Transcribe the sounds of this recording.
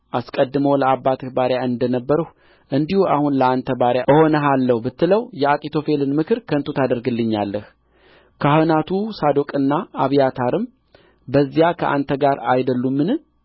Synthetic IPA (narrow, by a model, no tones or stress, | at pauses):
ʔaskʼəd̪ːɨməwləabːat̪ʰɨhbaɾjaɨnd̪ənəbːəɾuh | ʔɨnd̪ihua̰hunləant̪ʰəbaɾjaɨho̞nəɦalːəhubɨt̪ːɨləwjɛakʼit̪ʰo̞fe̞lɨnmɨkʰɨɾkʰənt̪ʰut̪ʰad̪əɾɡɨlːɨɲːalːəh | kʰahɨnat̪ʰusad̪o̞kʼɨnːaaβjat̪ʰaɾɨm | bəzːijakʰəʔa̰nt̪ʰəɡaɾajd̪əlːumːɨnɨ